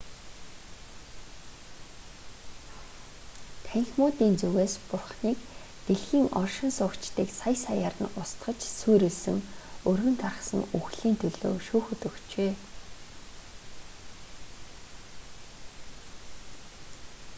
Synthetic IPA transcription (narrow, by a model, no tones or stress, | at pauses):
t̪ʰæŋʲxʲmʊːt̪iːnt͡suɣeːspʊrχniːkt̪eɮxiːŋʔɔrʃɪ̆nsʊːkt͡ɕt̪iːksajsajarə̆nʊst̪ɢə̆t͡ɕsujɾĕɮsɘ̆ŋɵrɣɵ̆nt̪ʰarχsə̰̆ŋuxɮiːnt̪ʰɵɮo̰ːʃuːxɵt̪ɵ̆kt͡ɕeː